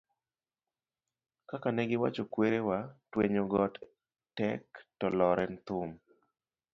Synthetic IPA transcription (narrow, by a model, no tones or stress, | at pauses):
kakanɛɡɪwa̰t͡ʃokweɾewatweɲoɡɔt | tɛktɔlɔɾʔɛnt̪ʊm